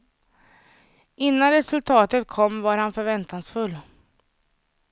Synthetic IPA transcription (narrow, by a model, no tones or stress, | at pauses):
ɪnːanɾɛsɵlt̪ʰɑːt̪ət̪̚kʰɔmːvaɾhanfœɾvɛnt̪aŋsfɵlː